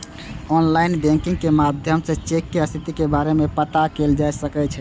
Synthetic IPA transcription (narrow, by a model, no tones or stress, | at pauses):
ɔnlaɪnbɛ̃ŋkĩŋɡ̚kemad̪ʱjəmset͡ʃekːeəst̪ʰit̪ikebaɾemepət̪akeld͡ʒajsəkɛt͡ʃʰɛ